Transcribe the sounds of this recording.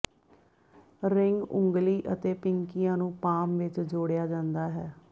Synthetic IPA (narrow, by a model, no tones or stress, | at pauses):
ɾɪŋɡʊ̰ŋɡliːʔət̪eːpɪŋkɪjãːnũːpaːmʋɪt͡ʃd͡ʒoːɽɪjaːd͡ʒãːnd̪aːɦɛː